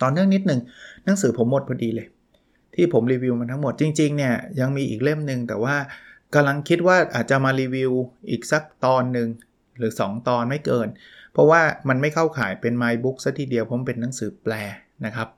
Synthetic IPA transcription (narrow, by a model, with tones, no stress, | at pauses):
t̪ɔː˨˩nɯ˥˩əŋni˦˥t̪̚nɯ˨˩ŋna˨˩˦ŋsɯː˩˦pʰo˩˦mːo˨˩t̪̚pʰɔ˧diː˧lɤː˧j | t̪ʰiː˥˩pʰo˩˦mɾiː˧wi˧wma˧nt̪ʰa˦˥ŋmo˨˩t̪̚t͡ɕi˧ŋt͡ɕi˧ŋni˥˩ɐja˧ŋmiː˧ʔiː˨˩k̚le˥˩mnɯ˧ŋt̪ɛː˨˩waː˥˩ka˧mla˧ŋkʰi˦˥t̪̚waː˥˩ʔa̰ː˨˩t̪̚t͡ɕa˨˩maː˧ɾiː˧wi˧wʔiː˨˩k̚sa˦˥k̚t̪ɔː˧nːɯ˧ŋ | ɾɯː˩˦sɔː˩˦ŋt̪ɔː˧nma˥˩jkɤː˧n | pʰɔ˦˥waː˥˩ma˧nma˥˩jkʰa˥˩wkʰaː˩˦jpe˧nmaː˧jbu˦˥k̚sa˦˥k̚t̪ʰiː˨˩di˧əwpʰo˨˩˦mpe˧nːa˩˦ŋsɯː˩˦plɛː˧ | na˦˥kʰa˦˥p̚